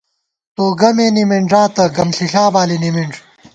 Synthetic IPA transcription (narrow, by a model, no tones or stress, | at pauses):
t̪oːɡɐmeːnimiɳɖaːt̪ɐɡɐmɬiɬaːbaːlinimiɳɖ